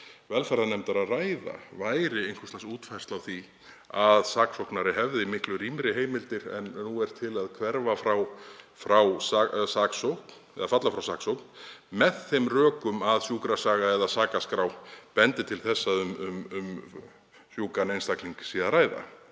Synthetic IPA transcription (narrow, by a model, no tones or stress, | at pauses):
vɛlfajɾðanɛmt̪aɾaðraːjða̰vaːjɾɪejnŋkʰʏslasuːt̪fajr̥st̪lawθi | aðsaːksowknaɾɪɦɛvðɪimɪhklʏɾiːmɾɪɦeːjmɪlt̪ɪɾɛ̰nːuɛɾ̥t̪ʰɪlaðkʰvɛɾvafɾaw | fɾawsasaksowhkn | ɛ̰ðafat̪lafɾawsaːksowkn̥mɛðθejmrœːkʏmaðsjuːkɾasaːɣaɛðasaːkaskɾawpɛnt̪ɪt̪ʰɪlθɛsːaʏmʏmm | sjuːkanejnst̪akliŋksiaðɾaːjða̰